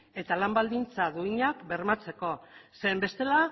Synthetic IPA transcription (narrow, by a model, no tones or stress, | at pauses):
e̞t̪alambald̪int͡saðuiɲakbe̞ɾmat͡se̞ko̞se̞ːmbe̞st̪e̞la